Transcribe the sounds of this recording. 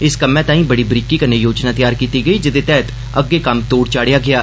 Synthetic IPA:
ɪskəmɛ̃ːt̪ãːĩːbəɽiːbɾikːiːkəɾneːjoːd͡ʒnaːt̪ɪjaːɾkiːt̪iːɡəiːd͡ʒɪd̪eːt̪ɛːt̪ | əɡːeːkəmt̪oːɽt͡ʃaːɽɪjaːɡɪaː

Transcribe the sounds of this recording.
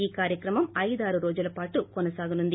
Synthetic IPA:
iːkaːɾjɐkɾɐmɐmɐjðaːɾuɾoːd͡ʒulɐpaːʈːukɔnɐsaːɡunund̪i

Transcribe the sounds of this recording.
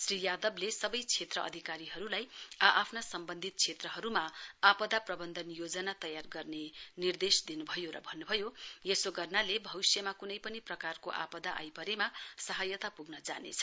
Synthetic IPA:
srijad̪ʌblesʌbʌjt͡sʰet̪rʌʔʌ̰d̪ʱikaɾiɦʌɾulajaʔːpʰnasʌmbʌnd̪ʱit̪̚t͡sʰet̪rʌɦʌɾumaapʌd̪aprʌbʌnd̪ʱʌnjod͡zʌnat̪ʌjarɡʌrnenird̪esd̪inubʱʌjoɾʌ̰bʱʌnːubʱʌjojesoɡʌrnalebʱʌwisjʌmakunʌjpʌniprʌkarkoʔa̰pʌd̪aʔa̰jpʌɾemasʌɦajʌt̪apuɡnʌd͡za̰nḛt͡sʰʌ̥

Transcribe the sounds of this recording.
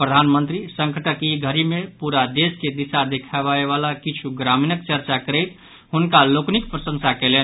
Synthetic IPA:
pɾəd̪ʱanmənt̪ɾisə̃ŋkʰəʈəkiɡʱəɾimepuɾad̪esked̪isad̪ekʰabaeβalakit͡ʃʰuɡɾaminəkt͡ʃəɾt͡ʃakəɾɛɪt̪ | ɦunkaloknikpɾəsə̃ŋsakɛlen

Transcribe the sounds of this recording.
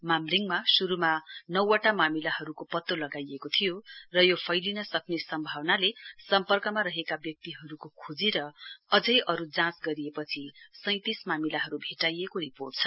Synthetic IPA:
mamriŋmasuɾumanʌwaʈamamilaɦʌɾukopʌt̪ːolʌɡajekot̪ʰijorʌjopʰʌjlinʌsʌknesʌmbʱawnalesʌmpʌrkʌmaɾʌɦekabjʌk̚t̪iɦʌɾukokʰud͡ziɾʌʌd͡zʌjʔʌɾud͡zãsɡʌɾiepʌt͡sʰisʌ̃j̃t̪ismamilaɦʌɾubʱeʈajekoɾiporʈ̚t͡sʰʌ

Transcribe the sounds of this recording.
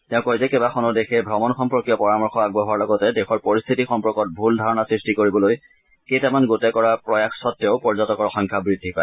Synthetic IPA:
tɛ̃ʊ̃kojzɛkebaxɔnɔɹdexɛbʱɹɔmɔnxɔmpɹɔkijɔpɔɹamɔɹxɔaɡ̚bɔɦaɹlɔɡɔtɛdexɔɹpoɹist̪ʰitixɔmpɔɹkɔt̚bʱuldʱaɹɔnasɹistikoɹibɔloj | kejtamanɡotɛkɔɹapɹɔjakʰsɔtːeʊpɔɹzɔtɔkɔɹxɔŋkʰabɹidʱːipa

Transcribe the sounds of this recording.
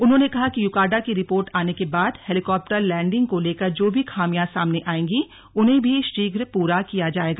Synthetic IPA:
ʊnɦõːnekɐɦakijʊkaːɖakiɾɪpoːɾʈaːnekebaːd̪hɛːlɪkɔːp̚ʈəɾlɛ̃ːɳɖɪ̃ŋɡkoleːkɐɾd͡ʒoːbʱixʰaːmijãsaːmneʔaːẽːŋɡi | ʊnɦẽbʱiʃʈiːɡɾpuːɾakijad͡ʒaːeːɡaː

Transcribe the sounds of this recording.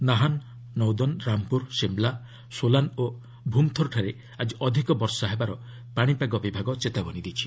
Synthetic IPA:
naɦanː | ɔwd̪ɔnɾampuɾsembla | solano | bʱumt̪ʰɔɾʈʰaɾe | ad͡ʒiʔɔd̪ʱikɔbɔɾsɔɦebaɾɔ | paɽ̃ipaɡɔbibʱaɡɔt͡ʃet̪abɔnid̪it͡ʃʰi̥

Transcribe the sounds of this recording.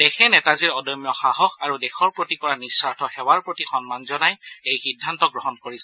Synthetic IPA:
d̥ɛxɛnɛtaziɹɔdɔjmjɔxaɦɔxaɹudɛxɔɹpɹotikɔɹanisaɹtʰɔxɛwaɹpɹotixɔnmanzɔnajejxidʱːantɔɡɹɔɦɔnkoɹisɛ̥

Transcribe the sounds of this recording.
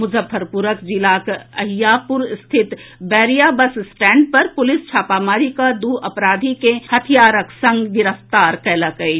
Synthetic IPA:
mʊzəfːəɾpʊɾəkd͡ʒilaːkɐɦɪjaːpʊɾst̪ʰɪt̪bɛːɾijaːbəssʈɛ̃ːɳɖ̚pɐɾpʊlɪst͡ʃʰaːpaːmaːɾikad̪uːɐpɾaːd̪ʱikehɐt̪ʰijaːɾəksɐ̃ŋɡɡɪɾəft̪aːɾkɛːlakɐe

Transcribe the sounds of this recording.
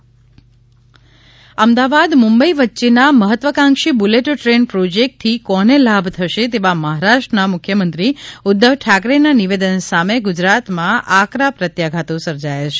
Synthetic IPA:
əmd̪aʋad̪mʊ̃mbəiʋətːʃenaməɦət̪ʋəkãŋʃibuleʈəʈɾenpɾod͡ʒek̚ʈ̚t̪ʰːikɔnelabʱt̪ʰəʃet̪eʋaməɦaɾaʃʈɾənamʊkʰjəmə̃nt̪ɾiʊd̪ːəʋʈʰakɾenaniʋed̪ənsameɡud͡ʒɾat̪mãʔakɾapɾət̪jaɡʱat̪ũsəɾd͡ʒajet͡ʃʰe̥

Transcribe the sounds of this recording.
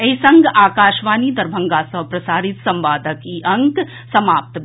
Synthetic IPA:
eisɐŋɡaːkaːʃʋaːniːd̪ɐɾbʱɐ̃ŋɡaːsɐʋpɾɐsaːɾit̪sɐmʋaːd̪ʱəkiʔɐŋk | sɐmaːp̚t̪

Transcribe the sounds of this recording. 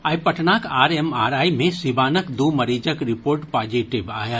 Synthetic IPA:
aːjpəʈnakaːɾɛmaːɾaːjmẽsibaːnəkd̪oməɾid͡ʒəkɾipoːɾʈpaːd͡ʒiʈiba̰ːjə

